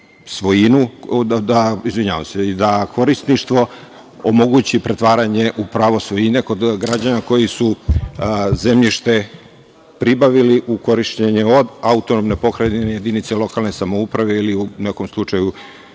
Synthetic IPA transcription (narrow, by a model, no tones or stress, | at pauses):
sʋo̞jinud̪d̪aizʋiɲaʋa̰mseid̪akʰo̞ɾist̪niʃt̪ʋo̞ | omo̞ɡut͡ɕipɾe̞t̪ʋaːɾaɲe̞ʔupɾaːʋo̞sʋo̞jine̞ko̞d̪ɡɾad͡ʑanako̞jisu | zemʎiʃt̪e̞ | pɾibaʋiliʔuko̞ɾiʃteɲeod̪aut̪onomne̞po̞kɾaineje̞d̪init̪selˠo̞kalˠne̞samoupɾaʋe̞iliuneko̞mslˠut͡ʂaju